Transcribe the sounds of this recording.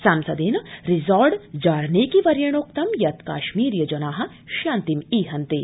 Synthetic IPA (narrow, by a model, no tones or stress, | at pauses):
saːmsɐd̪eːnɐɾizɔːɾɖd͡ʒaːɾneːkiʋɐɾjɐɳ̃oːk̚t̪ɐmjɐt̪ka̰ːʃmiːɾjɐd͡ʒɐnaːɦɐ̆ | ʃaːnt̪imiːɦɐnt̪e